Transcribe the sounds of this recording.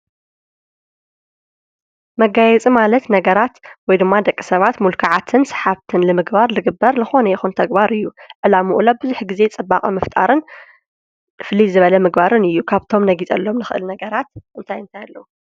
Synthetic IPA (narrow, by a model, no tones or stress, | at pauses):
mɐɡajɛt͡sʼimalɐt̪nɐɡɐɾat̪wɔjd̪ɨmːad̪ɐkʼːisɐβat̪mulkʰaʕat̪ʰɨnsɨ̥ħaβt̪ʰɨnlɨmɨɡbaɾlɨɡɨbːɐɾlɨxo̞nɐjɛxunt̪ʰɐɡbaɾɨjːuʕɨlamuʔulabɨzuħɡize̞t͡sʼɨbːaχʼɐmɐft̪ʼa̰ɾɨn | fɨlizɨβɐlɐmɨɡbaɾɨnɨjːukʰaβt̪ʰo̞mnɐɡit͡sʼɐ̰lːo̞mnɨxɨʔɨ̰lnɐɡɐɾat̪ʔɨnt̪ʰajɨnt̪ʰajalːɐwu